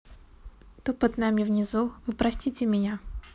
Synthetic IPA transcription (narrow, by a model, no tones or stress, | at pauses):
t̪opɐt̪namʲɪvnʲɪzuvɨpɾɐsʲtʲitʲɪmʲɪnʲa